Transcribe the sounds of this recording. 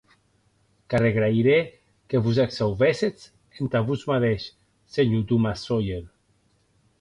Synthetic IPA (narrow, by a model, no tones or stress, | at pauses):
kareɣɾajɾe | keβuzaksawβeset͡s | ent̪aβuzmaðeʃ | seɲud̪umasojen